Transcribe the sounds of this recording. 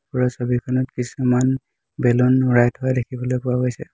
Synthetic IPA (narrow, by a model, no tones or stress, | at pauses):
pɔɹɔsobikʰɔnɔtkisuman | belɔnɹajtɦɔadekʰibɔlojpʊwaɡojsɛ